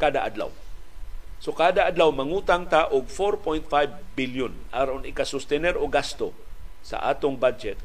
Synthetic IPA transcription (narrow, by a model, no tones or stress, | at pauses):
kaːd̪a̰ʔad̪la̰w | sokaːd̪aʔad̪lawmɐŋuːt̪aŋt̪aʔʊɡ̚foɾpojnt̪̚fajbːiljʊnʔaɾʊnɪkasʊst̪ɛnɛɾoɡast̪o̰ | sa̰ʔa̰ːt̪ʊŋbad͡ʒɛt̪̚